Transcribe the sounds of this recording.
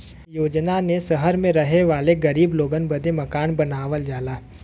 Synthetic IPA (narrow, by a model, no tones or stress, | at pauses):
joːd͡ʒnanesɐɦəɾmẽɾɐɦeʋaːleɡɐɾiːbloːɡənbɐd̪ʱemɐkaːnbɐnaːʋəld͡ʒaːlaː